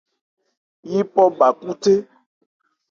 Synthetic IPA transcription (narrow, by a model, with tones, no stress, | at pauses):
ji˦pɔ˦ba˨ku˦te˦